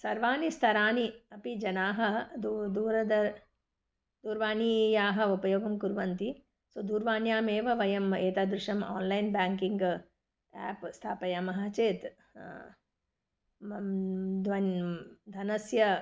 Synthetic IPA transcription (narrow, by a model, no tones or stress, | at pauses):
sɐɾʋaːnist̪ʰɐɾaːniɐpid͡ʒɐnaːɦɐd̪ud̪uːɾɐd̪ɐɾ | d̪uːɾʋaːnijaːɦɐ̆upɐjoːɡɐmkuɾʋɐnt̪i | sod̪uːɾʋaːnjaːmeːʋɐʋɐjɐmeːt̪aːd̪ɾuʂɐma̰ːnlɐjnbaːŋkiŋɡ | ɛ̰ːpst̪ʰaːpɐjɐmɐɦat͡ʃeːt̪ | d̪ʋɐnd̪ʱɐnɐsjɐ